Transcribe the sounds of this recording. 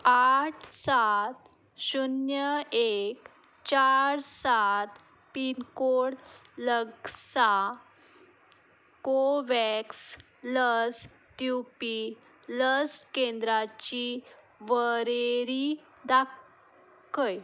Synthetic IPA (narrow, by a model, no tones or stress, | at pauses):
aʈʰsat̪ | ɕunjəek | t͡ɕaɾsat̪ | pinkoɽləɡsa | koʋɛks | ləs | t̪jupi | ləskend̪ɾat͡ɕi | ʋəɾeɾi | d̪a | kəj